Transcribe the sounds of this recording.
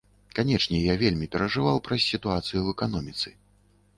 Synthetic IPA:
kanʲɛt͡ʂnʲɛjavʲelʲmʲipʲɛɾɐʐɨvawpɾɐsʲːit̪uat̪sɨjuɛkan̪ɔmʲit̪sɨ

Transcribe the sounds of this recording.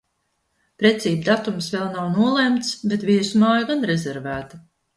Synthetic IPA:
pɾɛt̪siːb̚d̪at̪umsvɛlˠnawnuɔlˠemt̪sbet̪viɛsumaːjaɡanɾɛzɛɾvæːt̪a

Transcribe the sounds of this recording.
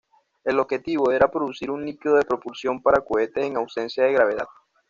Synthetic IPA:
e̞lo̞bxe̞t̪iβoe̞ɾapɾo̞ðusiɾuŋlikiðoðepɾo̞pulsjo̞mpaɾakoe̞t̪e̞eŋawse̞nsjaðe̞ɣɾaβe̞ð̞a̰ð

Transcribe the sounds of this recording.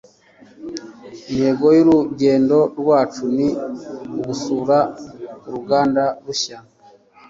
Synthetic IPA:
inhe̞ɡo̞juɾuɟe̞ːndo̞ɾɡwaːt͡ʃuniuɡusuːɾauɾuɡaːndaɾuʃana

